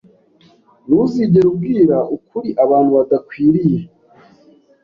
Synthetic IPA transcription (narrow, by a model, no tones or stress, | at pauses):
nuziɟe̞ɾub̚ɡiːɾaʔukuɾiʔaβaːnhuβadakwiːɾije